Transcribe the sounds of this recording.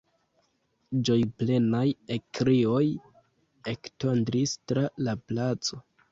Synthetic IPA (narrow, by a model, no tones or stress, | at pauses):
d͡ʒo̞jple̞najekɾio̞j | ekto̞ndɾistɾalaplat͡so̞